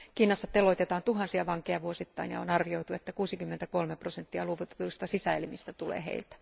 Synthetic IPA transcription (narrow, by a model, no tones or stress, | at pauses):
kiːnɑsːɑt̪eloit̪et̪ɑːnt̪uɦɑnsiɑʋɑŋkeɑʋuosit̪ːɑinjɑ̰onɑrʋioit̪uet̪ːækuːsikymːent̪ækolmeprosent̪ːiɑluoʋut̪e̥t̪uist̪ɑsisæelmist̪æt̪ulḛːhḛilt̪æ̥